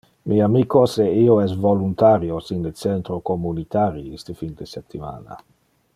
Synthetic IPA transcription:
miamikoseioɛsvolunt̪aɾjosinlet͡sɛnt̪ɾokomunit̪aɾiist̪əfind̪eset̪ːima̰ːna̰

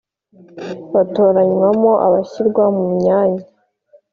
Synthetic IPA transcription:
βato̞ːɾaɲwamoʔa̰βaɕiɾɡwamumɲaːɲa

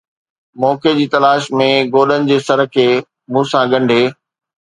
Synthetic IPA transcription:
mɔːked͡ʑiːt̪ɐlaːʃmẽɡoːɗənɪ̆d͡ʑeːsɐɾ̆kʰeː | mũːsãɠɐ̃ɳɖʱeː

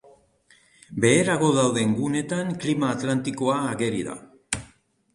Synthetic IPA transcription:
be̞ːɾaɣ̞o̞ðawðe̞ŋɡune̞t̪aŋklimaːt̪lant̪iko̞aːɣe̞ɾḭða̰

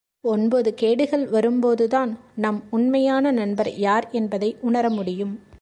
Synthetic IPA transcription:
ɔnboːðɯkeːɽɯɣɐɭʋɐɾɯmpoːðɯðaːnnɐmʊnmɐjaːnɐnɐnbɐɾjaːɾɛnbɐðɐɪʔʊɳɐɾɐmʊɽɪjɯm

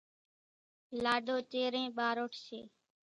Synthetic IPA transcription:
laːɖʱoːt͡ʃeːɾẽːɓaːɾoːʈʰsḛː

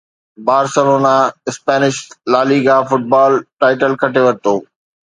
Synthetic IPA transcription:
baːɾsɐɾonãɪspɛːnɪʃlaːliːɡafʊʈ̚baːlʈaːɪʈəlkʰɐʈeʋɐɾɪt̪oː

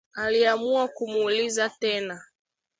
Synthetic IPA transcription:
aliamuakumuːlizatɛna

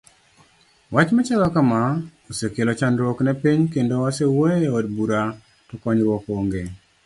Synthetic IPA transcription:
wat͡ʃmɛt͡ʃalɔkamaosekelot͡ʃanɾwoknɛpiɲkendowasewoeodbuɾa | tɔkɔɲɾwɔkoŋɡe

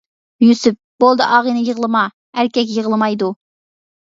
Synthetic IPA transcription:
jysyp̚b̥olˠd̪ɨʔɑːʁənɨjəʁlˠɨmɑ | æɾkʲɛk̬ʲjəʁəlˠɨmɑjd̪u

